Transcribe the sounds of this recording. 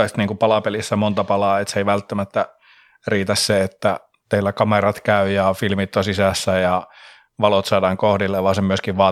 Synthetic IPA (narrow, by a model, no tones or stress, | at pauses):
oist̪niːŋkupɑlɑpelisːæmont̪ɑpɑlɑːet̪seiʋælt̪ːæmæt̪ːæ | riːt̪æsseet̪ːæ | t̪eilːækɑmerɑt̪kæyjɑfilmit̪ːosisæsːæjɑ | ʋɑlot̪sɑːdɑːŋkohdilːeʋɑːsemyøskiʋʋɑː